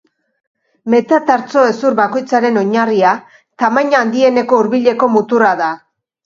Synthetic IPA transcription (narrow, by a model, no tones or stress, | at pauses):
me̞t̪at̪aɾt͡so̞e̞suɾβako̞jt͡saɾe̞no̞ɲaria | t̪amaɲaːnd̪ie̞ne̞ko̞uɾβiʎe̞ko̞mut̪uraða